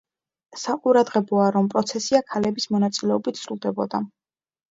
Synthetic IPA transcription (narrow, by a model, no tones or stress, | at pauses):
saqʼuɾad̪ʁɛbɔaɾɔmpʼɾɔt̪sʰɛsiakʰalɛbismɔnat̪sʼilɛɔbit̪ʰsɾulˠd̪ɛbɔ̰d̪a